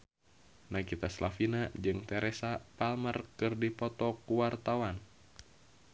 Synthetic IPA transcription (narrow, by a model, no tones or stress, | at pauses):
nakit̪aslafinad͡ʒɨŋt̪ɛɾɛsapalmərkɨrdipɔt̪ɔkuwart̪awan